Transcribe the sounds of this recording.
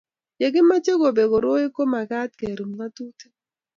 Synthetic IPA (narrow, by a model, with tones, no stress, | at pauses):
je˨ɡɪ˦ma˦t͡ʃe˦ɡo˨be˨ɡo˨ɾo˦i˦ko˦ma˨ɡa˦t̪̚ke˨ɾu˨mla˦tu˦te̥˦